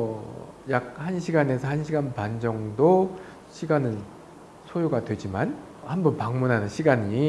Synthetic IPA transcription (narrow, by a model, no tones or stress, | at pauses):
jak̚hanɕʰiɡane̞sʰʌhanɕʰiɡanpand͡ʑʌŋdo | ɕʰiɡanɯn | sʰojoɡadwe̞d͡ʑiman | hambʌnpaŋmunɦanɯnɕʰiɡaɲi